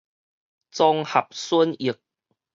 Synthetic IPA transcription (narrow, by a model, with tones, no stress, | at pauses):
t͡sɔ˧ŋha˨˩p̚su˦˥ni˨˩ək̚